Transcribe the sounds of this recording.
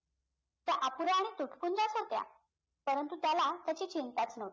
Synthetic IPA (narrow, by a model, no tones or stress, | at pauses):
t̪jaʔapuɾaːɽ̃it̪uʈʰkund͡ʑasɦot̪ja̰ | pəɾənt̪ut̪jalat̪jat͡ɕiːt͡ɕint̪at͡snəʋ